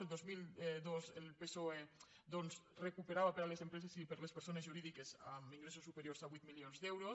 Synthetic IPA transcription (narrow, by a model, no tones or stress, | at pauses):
elˠd̪ozmilˠd̪ozelˠpesoe | d̪onzrekupeɾaβapeɾalezempɾezezipeɾlespeɾsonezʒuɾiðikezamiŋɡɾesosːupeɾjoɾzaβit̪milionzd̪ɛwɾos